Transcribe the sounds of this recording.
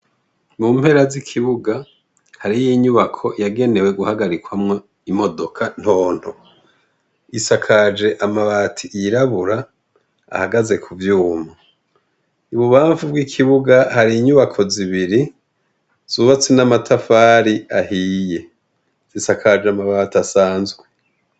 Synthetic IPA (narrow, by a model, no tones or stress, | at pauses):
mumhe̞ɾazikʰiβuɡa | haɾijiɲuβakʰo̞jaɡe̞ne̞we̞ɡuhaɡaɾikwamŋo | imo̞do̞kʰan̥ho̞ːn̥ho | isakʰad͡ʒe̞ʔamaβaːtʰiiɾaβuɾa̰ː | haɡaze̞kʰuvjuːma | uβuβaːɱvubɡwikʰiβuɡahaɾiːɲuβakʰo̞ziβiɾi | z̥uβat͡senamatʰafaːɾiahije̞ | z̥isakʰad͡ʒeamaβaːtasaːnzɡwe